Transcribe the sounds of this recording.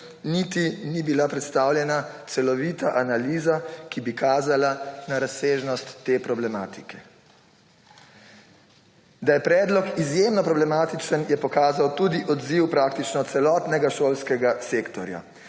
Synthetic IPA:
nit̪inibilapɾɛt̪st̪aːwljɛnat̪sɛlɔʋiːt̪aʔanaliːzakibikaːzalanaɾaseːʒnɔst̪ːeːpɾɔblɛmaːt̪i̥kɛ̥ | d̪ajɛpɾɛːd̪lɔkizjemnɔpɾɔblɛmaːt̪it͡ʃənjɛpɔkaːzawt̪uːd̪iʔɔd̪ziwpɾak̚t̪it͡ʃnɔt̪sɛlɔːt̪nɛɡaʃoːlskɛɡaseːkt̪ɔɾja̰

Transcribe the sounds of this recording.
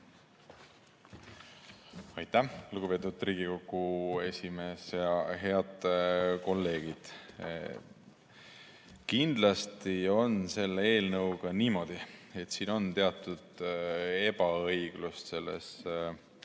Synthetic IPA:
ɑjt̪æhluɡ̥ubpe̞ːt̪ːˑud̪̥riːɡ̥iko̞kːˑue̞sʲime̞ːsjɑɦe̞ɑd̪̥ko̞lːe̞ːɡ̥id̪̥ | kind̪̥lɑst̪io̞nse̞lːee̞ːlnɤwɡ̥ɑniːmo̞d̪̥ie̞t̪siːno̞nt̪e̞ɑt̪ːˑud̪̥e̞bɑɤjɡ̥lust̪se̞lːḛs

